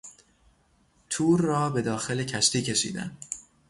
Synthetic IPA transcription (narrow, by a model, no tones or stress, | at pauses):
t̪ʰuːɾːɒːbe̞d̪ɒːxe̞lecʰæʃt̪iːcʰe̞ʃḭːd̪æ̰n